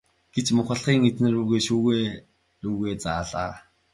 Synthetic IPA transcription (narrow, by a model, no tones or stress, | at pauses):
ɡ̥et͡ɕmʊχə̆ɮχiːŋet͡snĕruːɣeːʃuːɣeː | ruːɣeːt͡saːɮaː